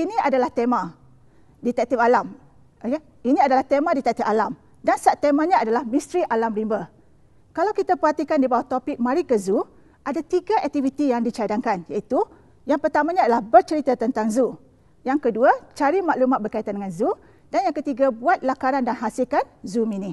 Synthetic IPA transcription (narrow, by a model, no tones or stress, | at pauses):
inĩadalaht̪emã | dit̪ɛk̚t̪ipalam | oke | inĩadalaht̪emãdit̪ɛk̚t̪ipalam | dansat̪ːemãɲãːdalahmĩst̪ɾiʔalamɾimbə | kalawkit̪apəɦat̪ikandibawaht̪opɪk̚mãɾikəzu | ʔadat̪iɡaʔɛk̚t̪ivit̪ijaŋdit͡ʃadaŋkanjait̪u | jaŋpərt̪amãɲãːdalahbərt͡ʃəɾit̪at̪ənt̪aŋzu | jaŋkəduat͡ʃaɾimaʔlumãt̪̚bərkait̪andəŋanzu | d̥anjaŋkət̪iɡabuat̪̚lakaɾandanɦasilkan̚zumini